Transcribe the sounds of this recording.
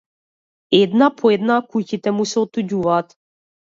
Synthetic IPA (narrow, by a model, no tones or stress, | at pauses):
ɛd̪napʰɔɛd̪nakucit̪ɛmusɛɔt̪ːuɟuvaːt̪